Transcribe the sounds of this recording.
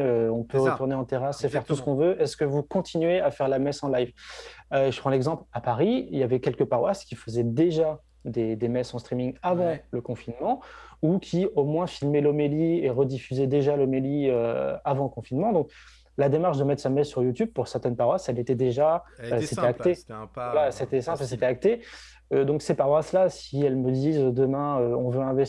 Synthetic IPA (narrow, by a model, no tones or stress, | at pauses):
øɔ̃pøəʁət̪uʁneɑ̃t̪eʁasefɛʁt̪usə̥kɔ̃vøʔɛskəvukɔ̃t̪ʰinɥeafɛʁlamɛsɑ̃lajvøʒəpχɑ̃lɛɡzɑ̃plapaʁiiljavɛkʲɛlkəpaʁwaskʲifəzɛd̪eʒa | d̪ed̪emɛsɑ̃st̪χimiŋavɑ̃ləkɔ̃finmɑ̃ukʲʰiomwɛ̃filmelɔmelieʁəd̪ifyzed̪eʒalɔmeliøavɑ̃ləkɔ̃finmɑ̃d̪ɔ̃k | lad̪emaʁʃd̪əmɛt̪χsamɛzsyʁjut̪yb̚puʁsɛʁt̪ɛnpaʁwasɛlet̪ɛd̪eʒaøset̪ɛak̚t̪evwalaset̪ɛsɛ̃pləs̬et̪ɛak̚t̪e | ød̪ɔ̃ksepaʁwaslasiɛlməd̪izød̪əmɛ̃øɔ̃vøɛ̃vɛ